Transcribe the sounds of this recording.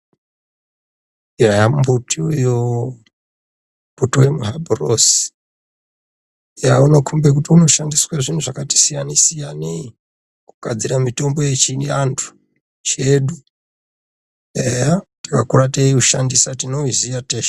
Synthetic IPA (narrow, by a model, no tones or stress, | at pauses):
jajambutiujo | mbutiwemuɦabʱros | jauno̞kʰumbek̬utiuno̞ʃandiswaʐin̤uʐakati̥sijanisijani | ku̥kad͡ziɾamito̞mbo̞je̞t͡ʃiniantʰu̥ | t͡ʃe̞ɗu | ejatakakuɾateiuʃa̰ndisatino̞izijateʃa